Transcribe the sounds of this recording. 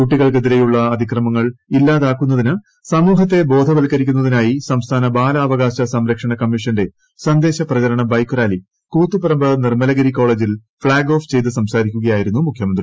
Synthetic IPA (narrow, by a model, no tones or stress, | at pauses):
kuʈːiɣɐɭkeðiɾe̞juɭːɐːd̪ʱikrɐmɐŋːɐɭilːaːðaːkːun̪ːɐðinɨ | sɐmuːɦɐt̪̬ːe̞bo̞ːd̪ʱɐʋɐlkɐɾikʲːunːɐðinaːjisɐmst̪ʰaːnɐbaːlɐːʋɐɣaːɕɐsɐmɾɐkʂɐɳɐkɐmːiʂɐnde̞ | sɐnd̪e̞ːɕɐprɐɣɐɾɐɳɐbɐjkːuraːli | kuːt̪ːupɐɾɐmbɐðɐnirmɐlɐɣɐɾiko̞ːɭeːd͡ʑil | fɭaːɡo̞ːft͡ɕe̞jt̪ːɨsɐmsaːɾikʲːuɣɐjaːjiɾunːumukʰjɐmɐnd̪ri